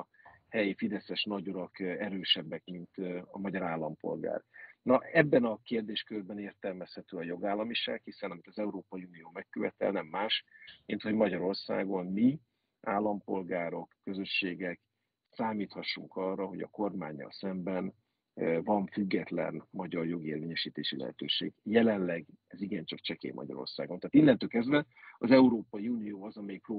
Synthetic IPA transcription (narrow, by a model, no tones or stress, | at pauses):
hɛjifid̪ɛsɛʃnɒɟuɾɒkɛɾøːʃɛbːɛkmint̪ɒ̰mɒɟɒɾaːlːɒmpo̞̰lɡa̰ːrnɒɛbːɛnɒkeːrd̪eːʃkørbɛneːrt̪ɛlmɛshɛt̪øːɒjo̞ɡaːlːɒmiʃa̰ːkhisɛnɒmit̪ɒzɛuɾoːpɒjiunijoːmɛkːøvɛt̪ɛ̰lnɛmːaːʃmint̪ho̞ɟmɒɟɒɾo̞rsa̰ːɡo̞nmi | ʔaːlːɒmpo̞lɡaːɾo̞kːø̞zø̞ʃːeːɡɛk | saːmiːt̪hɒʃːuŋkɒrːɒɦo̞̰ɟɒ̰ko̞rmaːɲːɒ̰lsɛmbɛn | vɒɱfyɡːɛt̪lɛ̰nmɒɟɒrjo̞ɡeːrveːɲɛʃiːt̪eːʃilɛ̰ɦɛ̰t̪ø̰ːʃḛːɡjɛlɛnlɛɡ | ɛziɡɛnt͡ʃɒkt͡ʃɛkḛːmʔɒ̰ɟɒ̰ɾo̰rsaːɡo̞nt̪aːt̪ilːɛnt̪økɛzd̪vɛ | ɒzɛuɾoːpɒjiuːnijoːɒzɒmɛjikroː